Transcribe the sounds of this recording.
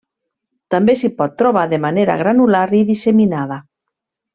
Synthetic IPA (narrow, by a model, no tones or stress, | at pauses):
t̪ambesipɔt̪̚t̪ːɾoβaðemaneɾa̰ɣ̞ɾanulaɾiðiseminað̞a